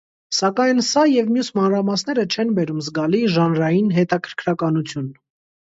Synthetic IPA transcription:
sɑkɑjnsɑjɛvmjusmɑnɾɑmɑsnɛɾət͡ʃʰɛnbɛɾumzɡɑliʒɑnɾɑjinɦɛt̪ɑkʰəɾkʰɾɑkɑnut͡sʰjun

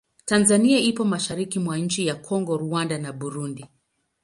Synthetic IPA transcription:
tanzaniaipɔmaʃaɾikimwaɲ̩t͡ʃijakʰɔŋɡɔɾuandanaɓuɾundi

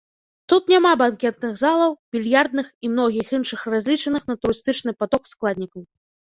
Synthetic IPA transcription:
t̪ut̪nʲamabankʲɛt̪nɨɣzalˠɐwbʲilʲjard̪̚nɨximn̪ɔɣʲixinʂɨxrazʲlʲit͡ʂɐnɨxnɐt̪uɾɨst̪ɨt͡ʂnɨpat̪ɔksklˠad̪ʲnʲikɐw

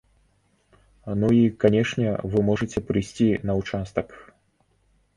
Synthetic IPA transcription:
nuikanʲɛʂnʲɛvɨmɔʐɨt͡sʲɛpɾɨjsʲt͡sʲinɐwt͡ʂast̪ɐk

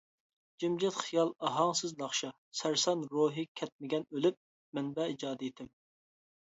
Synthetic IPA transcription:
d͡ʒimd͡ʒɛt̪χijɑlˠɑɦɑŋsɨznɑχʃɑ | sæɾsɑnɾoːɦɨkʲʰɛt̪̚mɪɡʲɛnølyp̚ | mɛnbɛid͡ʒɑːd̪ɛet̪ʰɪm

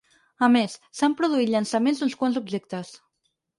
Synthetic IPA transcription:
əmesːampɾuðuit̪ʎənsəmenzd̪unskwanzub̚ʒek̚t̪əs

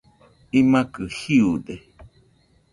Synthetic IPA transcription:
imãkɨhiuɗe

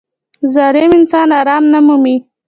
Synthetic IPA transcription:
zɑɾɪmɪnsɑnɑɾɑmnamumi

